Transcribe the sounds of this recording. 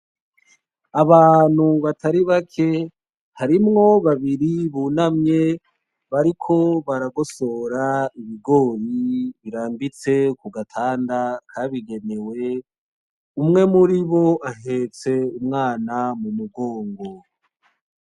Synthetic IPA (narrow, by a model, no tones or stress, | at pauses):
aβaːn̥huβatʰaɾiβakʰe̞ | haɾimŋo̞βaβiɾiβuːnamɲe̞ | βaɾikʰo̞βaɾaɡo̞so̞ɾaiβiɡo̞ːɾiβiɾaːmbit͡se̞kuɡatʰaːndakʰaβiɡe̞ne̞we̞ | umŋe̞muɾiβo̞aɦet͡se̞umŋaːnamumuɡoːŋɡo̞